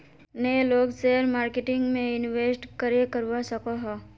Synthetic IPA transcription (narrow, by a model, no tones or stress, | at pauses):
neloːɡseɾmaːɾkeʈɪ̃ŋɡmẽɪnʋeːsʈkəɾekəɾwasɐkaɦɛː